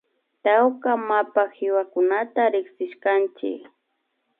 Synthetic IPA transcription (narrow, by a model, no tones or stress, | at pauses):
t̪awkamapaxɪwakʊnat̪aɾɪksɪʃkant͡ʃɪ̰k